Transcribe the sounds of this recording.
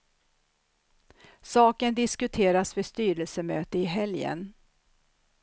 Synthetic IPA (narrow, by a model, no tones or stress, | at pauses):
sɑːkənd̪ɪskɵt̪ʰeːɾasvɛst̪yːɾəlsəmøːt̪əɪɦɛljə̰n